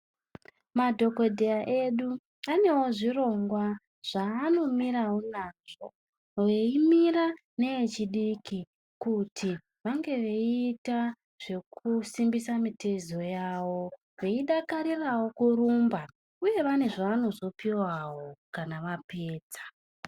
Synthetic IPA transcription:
madʱo̞ko̞dʱejaʔe̞ɗu | ane̞wo̞ʐiro̞ŋɡwa | ʐ̥aːno̞miɾawo̞naːʐo̞̰ | ʋe̞imira | ne̞et͡ʃiɗiki | kutʰi | ʋaŋɡe̞ʋe̞ita | ʐ̥e̞kʰusimbisamitezo̞jaːwo̞ | ʋe̞iɗakaɾirawo̞kuɾumba | uje̞ʋane̞ʐaːno̞zo̞piwawo̞kanaʋapeːt͡sḁ

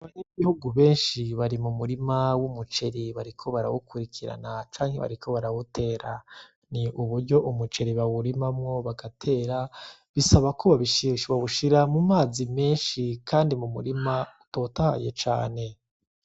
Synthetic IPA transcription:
aβaɲeβihuɡuβe̞ːnʃiβaɾimumuɾimawumut͡ʃe̞ɾiβaɾikʰo̞βaɾa̰wukuɾikʰiɾa̰nat͡ʃaːŋhe̞βa̰ɾikʰo̞βaɾawutʰe̞ːɾa | niʔuβuɾɟo̞ʔumut͡ʃe̞ɾiβawuɾimamŋo̞βaɡatʰe̞ːɾa | βisaβakʰoβaβiʃiʃβaβuʃiɾamumaːzime̞ːnʃikʰaːndimumuɾimautoːtaha̰jet͡ʃa̰ːne̞

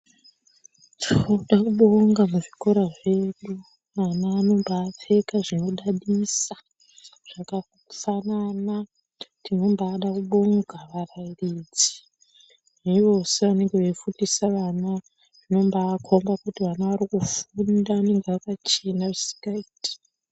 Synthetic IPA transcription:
tʰuouɗakuɓoŋɡamuʐiko̞ɾaʐe̞ɗu | ʋanaːno̞mbaːp͡fe̞kaʐino̞ɗaɗisḁ | ʐ̥aka | fanana | tʰino̞mbaːɗakuɓo̞ŋɡaʋarajirid͡zi̥ | neiʋo̞seʋane̞ŋɡeʋeifundisaʋana | ano̞mbaːkʰombakutiʋanaʋarikufundaːne̞ŋɡeakat͡ʃenaʐisi̥ŋɡaiti̥

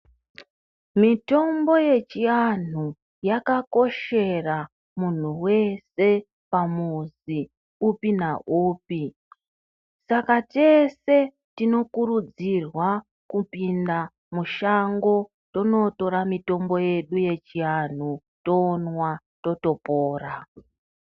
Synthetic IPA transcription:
mito̞mbo̞je̞t͡ʃian̤u | jakako̞ʃe̞ra | mun̤uwe̞se̞ | pamuzi | upinaʔuːp̚i | sakate̞se̞ | tino̞kurud͡zirwa | kupinda | muʃaŋɡo̞ | tono̞to̞ɾamito̞mbo̞je̞ɗuje̞t͡ʃian̤u | to̞nwa | to̞to̞poːra

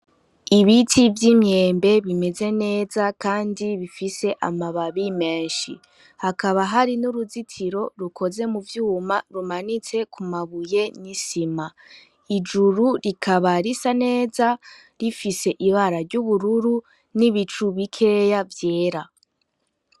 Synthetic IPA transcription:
iβitivjimɲe̞ːmbe̞βime̞ze̞ne̞ːzakaːndiβifise̞ʔamaβaβime̞ːnʃḭ | hakaβaɦaɾinuɾuzitʰiɾo̞ɾuko̞ze̞muvjuːmaɾumanit͡se̞kʰumaβuje̞nisima | id͡ʒuɾuɾikʰaβaɾisane̞ːza | ɾifise̞ʔiβaɾaɾɟuβuɾuɾu | niβit͡ʃuβikʰe̞javje̞ːɾa

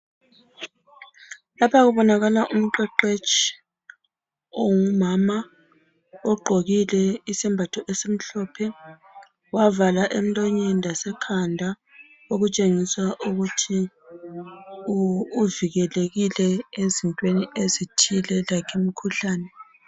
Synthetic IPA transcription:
lapʰaɣuβɔnaɣalaʔum̩ǃɛǃet͡ʃʼʰi | oŋumama | ɔɡ͡ǃʱoɣilɛisimbʱatʰɔʔɛsem̩ɬɔpʰɛ | wavalaʔem̩lʼɔɲɛndʱasɛkʰandʱa | oɣut͡ʃʼeŋiswaʔuɣutʰi | uviɣɛleɣilɛezintʼweniʔezitʰilɛlakʰemikʰuɬaːnɛ

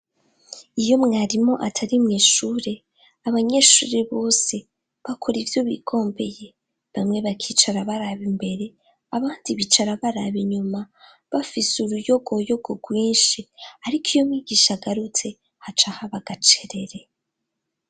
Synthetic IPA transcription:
ijo̞mŋaːɾimo̞ʔatʰaɾimŋiːʃuːɾe̞ | aβaɲe̞ʃuːɾeβo̞ːse̞ | βakʰo̞ɾivjo̞βḭɡo̞ːmbe̞je̞ | βamŋe̞βakʰiːt͡ʃaɾaβaɾaβimbe̞ɾe̞ | aβaːndiβit͡ʃaɾaβaɾaβiɲuma | βafisuɾujo̞ɡo̞jo̞ɡo̞ɡwiːnʃiaɾikijo̞mŋiːɡiʃaɡaɾut͡se̞ | hat͡ʃahaβaɡat͡ʃeɾe̞ɾe̞

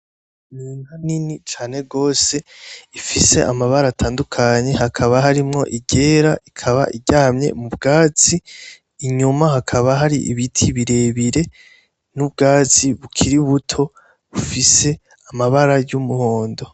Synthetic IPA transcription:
niːŋhaninit͡ʃaːne̞ɡo̞ːse̞ifise̞ʔamaβaɾaːtʰaːndukʰaɲe̞ɦakʰaβaɦaɾimŋo̞̰ʔiɟe̞ːɾaʔikʰaβa̰ʔiɟaːmɲe̞̰mubɡaːt͡siː | ɲumahakʰaβaɦaɾiʔḭβitʰiβiɾe̞βiɾe̞ | nub̚ɡaːt͡siβukʰiɾiβutʰo̞ | βufise̞ | amaβaɾajumuho̞ːndo̞

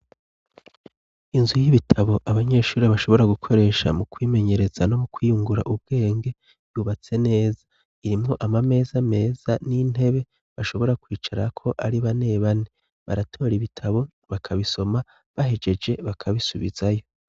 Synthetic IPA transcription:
inzujiβitʰaβo̞ʔaβaɲe̞ːʃuːɾeβaʃo̞βo̞ɾaɡukʰo̞ɾe̞ːʃa̰mukwiːme̞ɲe̞ɾe̞z̥ano̞mukwiːjuŋɡuɾa̰ʔub̚ɡ̥e̞ːŋɡe̞ | juβat͡se̞ne̞ːza | iɾimŋo̞ʔamame̞ːzame̞ːz̥anin̥e̞βe̞ | βaʃo̞βo̞ɾakwiːt͡ʃaɾakʰo̞ʔaɾiβane̞ːβane | βa̰ɾatʰo̞ːɾiβitʰaβo̞ | βakʰaβiso̞ma | βaɦe̞d͡ʒe̞d͡ʒe̞βakʰaβisuβḭzajo̞

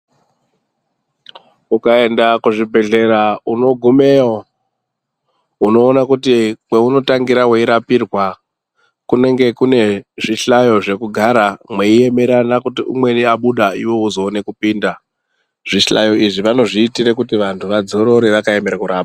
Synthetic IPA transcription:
ukae̞ndakuʐibʱe̞ɮe̞ɾauno̞ɡʱume̞ːo | uno̞ːnakutikweuno̞taŋɡiɾaweiɾapirwa | kune̞ŋɡe̞kune̞ʐiɬajo̞ʐe̞kuɡʱaɾamwe̞ije̞me̞ɾanakutiṵmwe̞niaɓuɗaiwo̞uzo̞ːne̞kupiːnda | ʐ̥iɬa̰jo̞iʐiʋano̞ʐiːtiɾekutiʋantʰuʋad͡zo̞ɾo̞ɾeʋakae̞me̞ɾakuɾaːpḁ

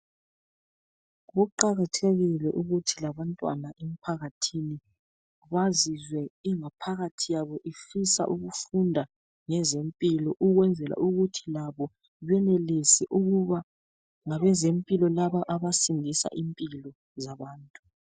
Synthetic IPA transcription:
βuǃaɣatʰeɣilɛʔuɣutʰilaβantʼwa̰naʔɛm̩pʰaɣatʰini | ɣazizwɛiŋapʰaɣatʰijaβɔʔifisa̰ʔuɣufundʱa | ŋɛzempʼilɔʔuɣwɛnd͡zʱɛla̰ʔuɣutʰilaβɔ | βɛnelisɛʔuɣuβa | ŋaβɛzempʼilɔlaβaʔaβasindʱisa̰ʔimpʼilɔ | zaβaːntʼu̥

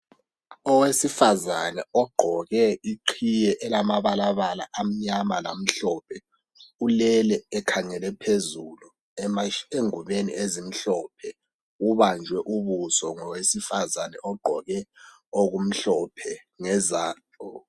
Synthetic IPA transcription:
ɔwesifazanɛɔɡ͡ǃʱɔɣɛiǃʰijɛʔɛlamaβalaβala̰ʔam̩ɲamala̰m̩ɬɔpʰɛ | ulɛlɛːkʰaŋɛlɛpʰezulu | eŋuβenḭʔezim̩ɬɔp̚ʰɛ | uβand͡ʒʱwɛʔuβusɔŋɔwesifazanɛʔɔɡ͡ǃʱɔɣɛ | oɣum̩ɬɔpʰɛ | ŋɛzaː | ɔ

